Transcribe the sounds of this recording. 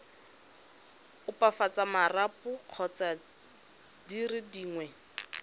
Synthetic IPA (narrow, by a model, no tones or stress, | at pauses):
ʊpafat͡samarapʊq͡χʰɔt͡sa | dirɪdiːŋwɛ